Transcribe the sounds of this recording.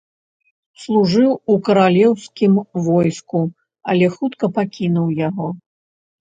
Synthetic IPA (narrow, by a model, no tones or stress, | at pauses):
slˠuʐɨwukɐɾalʲɛwskʲimvɔjsku | ɐlʲɛxut̪kɐpakʲinuwjaɣɔ